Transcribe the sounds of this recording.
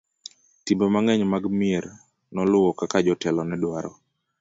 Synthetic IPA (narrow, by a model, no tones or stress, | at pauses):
timbomaŋɛɲmaɡmɪeɾ | nɔlʊwɔkakad͡ʒɔtɛlɔnɛdwaɾɔ